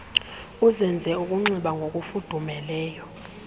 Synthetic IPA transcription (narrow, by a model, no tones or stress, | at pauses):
uzɛnd͡zʱɛukʼuŋ͡ǀiɓaŋɡʱok̬ʼufud̥ʱumɛlɛːjɔ